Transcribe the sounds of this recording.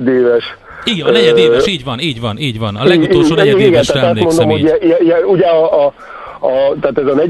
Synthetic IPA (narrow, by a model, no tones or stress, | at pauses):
d̪eːvɛʃ | iɡlɛɛd̪eːiːɟvɒniːɟvɒniːɟvɒnɒlɛːioɛiiɡɛnt̪aːt̪ɔst̪mond̪o̞mho̞ɛjɛjɛuɟɛɒ | ɒt̪aːt̪ɛzɒnɛɟ